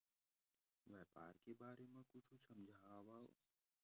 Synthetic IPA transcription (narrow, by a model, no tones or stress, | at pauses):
ʋɛːpa̰ːɾkebaːɾemẽkʊt͡ʃʰusəmd͡ʒʱaːʋao̰ː